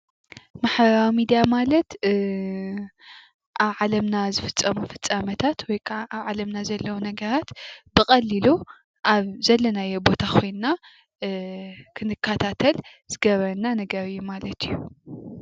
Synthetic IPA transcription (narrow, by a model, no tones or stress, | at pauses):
maħbɐɾawimid̪ijamalɐt̪ | ʔaβʕalɐmnazɨfɨ̥t͡sʼːɐmufɨt͡sʼːamɐt̪ʰat̪ʰwɔjkʰaʔaβʕalɐmnazɐlːɐwunɐɡɐɾat̪bɨkʼɐlːilu | ʔaβzɐlːɐnajebo̞t̪ʰakʰo̞jnna | kʰɨnɨkʰːat̪ʰat̪ʰɐl | zɨɡɐβɐnanɐɡɐɾɨjːumalɐt̪ʰijːu